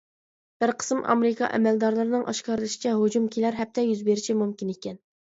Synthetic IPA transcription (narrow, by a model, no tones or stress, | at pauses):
b̥ɪɾqʰə̥smʔɑ̰meɾɪkʰɑ̰ʔɛ̰mɛld̪ɑɾlˠɨɾɨnɨŋʔɑ̰ʃkɑɾɨlˠɨʃi̥t͡ʃʰɛɦod͡ʒumkʲʰelæɾɦɛp̚t̪ʰɛjyzbeɾɪt͡ʃʰimumkʲinekʲɛn